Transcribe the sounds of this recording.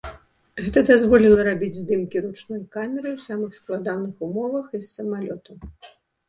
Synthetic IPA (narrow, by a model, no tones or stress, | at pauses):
ɣɛt̪ɐd̪azvɔlʲilˠɐɾabʲid͡zʲzd̪ɨmkʲiɾut͡ʂnɔjkamʲɛɾɨwsʲamɨxsklˠad̪anɨxumɔvɐxisːɐmalʲɔt̪ɐ